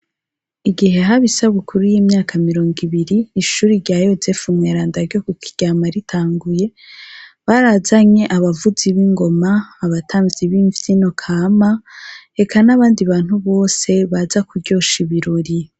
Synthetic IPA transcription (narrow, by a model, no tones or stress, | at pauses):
iɡiɦe̞ɦaβisaβwekʰuɾujiːmɲaːkʰamiɾo̞ːŋɡiβiɾiːʃuːɾiɾɟaːjo̞zefumŋeːɾaːndaɾɟokukʰi̥ɟ̥aːmaɾitʰaːŋɡuje̞ | βaɾazaɲe̞ʔaβavuziβiŋɡo̞maːβatʰaːɱviβiːɱvjino̞kʰaːmae̞kʰanaβaːndiβaːn̥huβo̞ːse̞βazakuɾɟo̞ːʃiβiɾoɾi